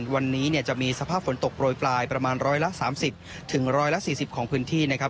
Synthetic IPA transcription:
wa˧nːiː˦˥ni˥˩ɐt͡ɕa˨˩miː˧sa˧pʰaː˥˩p̚fo˩˦nt̪o˨˩k̚pɾoː˧jplaː˧jpɾa˧maː˧nɾɔː˦˥jla˦˥ʔsaː˩˦msi˨˩p̚ | t̪ʰɯ˩˦ŋɾɔː˦˥jla˦˥ʔsiː˨˩si˨˩p̚kʰɔː˩˦ŋpʰɯː˦˥nt̪ʰiː˥˩na˦˥kʰa˦˥

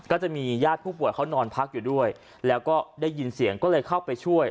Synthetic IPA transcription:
kɔː˥˩t͡ɕa˨˩ʔmiː˧jaː˥˩t̪̚ʰuː˥˩p̬u˨˩əjkʰa˦˥wnɔː˧npʰa˦˥k̚juː˨˩du˥˩əj | lɛː˦˥wkɔː˥˩daː˥˩jːi˧nsi˨˩˦əŋkɔː˥˩lɤː˧jkʰa˥˩wpa˧jt͡ɕʰu˥˩əj

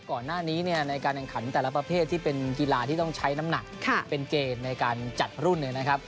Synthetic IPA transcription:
kɔː˨˩nːaː˥˩niː˦˥ni˥˩ɐna˧jkaː˧nɛ˨˩ŋkʰa˩˦nt̪ɛː˨˩la˦pɾa˧pʰeː˥˩t̪ʰːiː˥˩pe˧nki˧laː˧t̪ʰiː˥˩t̪ɔ˥˩ŋt͡ɕʰa˦˥jna˦˥mna˨˩k̚kʰa˥˩pe˧nkeː˧nːa˧jkaː˧nt͡ɕa˨˩t̪̚ɾu˥˩nːɯ˧˩na˦˥kʰa˦˥p̚

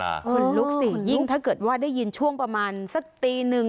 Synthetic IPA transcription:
kʰu˧nlu˦˥k̚si˨˩ji˥˩ŋt̪ʰa˥˩kɤː˨˩t̪̚waː˥˩daː˥˩ji˧nt͡ɕʰu˥˩əŋpɾa˧maː˧nsa˨˩k̚t̪iː˧nɯ˨˩ŋ

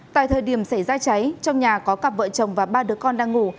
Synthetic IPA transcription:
t̪a̰ː˧˨jt̪ʰəː˨˩jɗi˧˩əmsa˧˩jzaː˧t͡ɕa˨˦jt͡ɕɔ˧wŋ͡mɲaː˨˩kɔ˨˦ka˨˩p̚və̰ː˧˨t͡ɕə˨˩wŋ͡mvaː˨˩ɓaː˧ɗɨ˨˦əkɔ˧nɗaː˧ŋːu˧˩

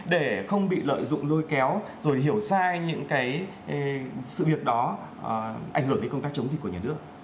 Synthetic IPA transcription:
ɗe˧˩xə˧wŋ͡mɓḭ˧˨lə̰ː˧˨jzʊ̰˧˨ŋ͡mlo˧jkɛ˨˦wzo˨˩jɦi˧˩əwsaː˧ɲɨ̰˧˥ŋkaː˨˦j | sɨ̰˧˨vi˨˩ək̚ɗɔ˨˦˨ | ʔa̰˧˩ŋ̟hɨ˧˩əŋɗe˨˦nkə˧ŋ͡mt̪aː˦˥k̚t͡ɕə˨˦ŋ͡mzi˨k̚ku˧˩əɲaː˨˩nɨ˦˥ək̚

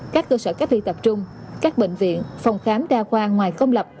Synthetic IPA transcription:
kaː˦˥kːəː˧səː˧˩kaː˦˥t̚t̪ʰḭ˧t̪ə˨˩p̚t͡ɕʊ˧ŋ͡m | kaː˦˥k̚ɓḛ˧˨ŋ̟vḭ˧˨ənfa˨˩wŋ͡mxaː˨˦mɗaː˧kwaː˧ŋwaː˨˩jkə˧wŋ͡mlə˨˩p̚

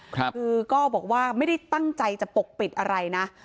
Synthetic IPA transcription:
kʰkʰɯː˧kɔː˥˩bɔː˨˩k̚waː˥˩ma˥˩jda˥˩jt̪a˥˩ŋt͡ɕa˧jt͡ɕa˨˩ʔpo˨˩k̚pi˨˩t̪̚ʔa˧ɾa˧jna˦˥ʔ

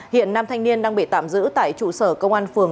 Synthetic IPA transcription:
hḭ˧˨ənːaː˧mt̪ʰa˧jŋ̟ni˧ənɗaː˧ŋɓḭ˧˨t̪aː˧˩mzɨ̰˧˥t̪a̰ː˧˨jt͡ɕu˧˩səː˧˩kə˧wŋ͡mʔaː˧nfɨ˨˩əŋ

